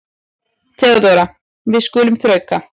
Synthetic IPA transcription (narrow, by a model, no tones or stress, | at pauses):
t̪ʰɛːɣat̪oːwɾa | vɪðskʏːlʏmθɾœːɥka